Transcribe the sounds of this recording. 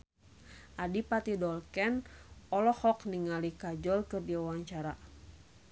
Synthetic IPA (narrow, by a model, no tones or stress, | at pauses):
ʔadipat̪idɔlkɛnɔlɔhɔkniŋalikad͡ʒɔlkɨrdiuwaŋt͡ʃaɾa